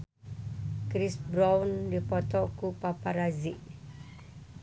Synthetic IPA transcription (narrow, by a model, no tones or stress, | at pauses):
kɾisbɾawndipɔt̪ɔkupapaɾaziʔ